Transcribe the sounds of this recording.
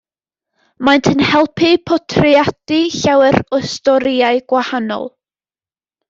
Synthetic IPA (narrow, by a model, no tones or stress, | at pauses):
majntʰənhɛlˠpʰipʰɔtʰriadiɬawɛrɔstɔɾiaɨɡ̥wahanɔ̰lˠ